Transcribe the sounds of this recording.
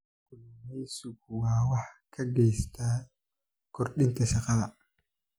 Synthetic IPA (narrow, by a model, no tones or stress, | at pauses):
kʊlmɛjsʊkwaːwɑħkʰɐɡɛjst̪ʰaː | kʰɔrɗɪnt̪ʰɐʃɐqaː